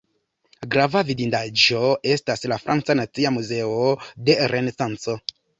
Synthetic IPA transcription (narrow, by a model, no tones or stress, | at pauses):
ɡɾavavidindaʒo̞e̞staslafɾa̰nt͡sanat͡siamuze̞ode̞ɾe̞nesant͡so̞